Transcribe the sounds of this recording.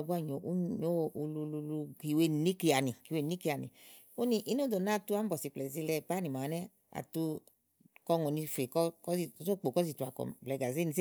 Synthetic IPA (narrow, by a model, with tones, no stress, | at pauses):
bu˦a˦˧˨ɲo˨ʔu˦ɲo˦˨u˧lu˧lu˧lu˧ki˨˧˨we˧˨ni˦ki˧a˨ni˨ki˧we˧˨ni˦ki˧a˨nḭ˨ | o˦ni˧ʔi˦no˦do˨na˦˨tu˧˦a˨˦m̩˦bɔ˨si˧˨k͡plɛ˨zi˧lɛ˧pa˦ni˨ma˨˦nɛ˦ | a̰˨tu˧ | kɔ˧˦ŋo˨ni˧fe˨kɔ˦kɔ˦i˧˨˦o˦k͡po˨kɔ˦zi˧˨tu˧˨a˨kɔ̰˨blɛ˨˧ɡa˨zi˦ni˧se˦